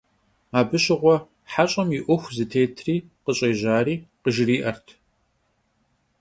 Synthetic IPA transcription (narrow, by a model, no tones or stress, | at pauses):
aːbɨɕʼɪʁʷɔ | ħaɕʼɐmjɪʔʷʊxʷzɨtʰeːtʰriːqəɕʼeːʑaːɾiːqəʒɪriːʔɐrtʰ